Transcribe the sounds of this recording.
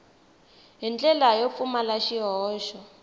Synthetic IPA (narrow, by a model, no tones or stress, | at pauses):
ɦint͡ɬʼɛlajop̪fumalaʃiɦɔːʃɔ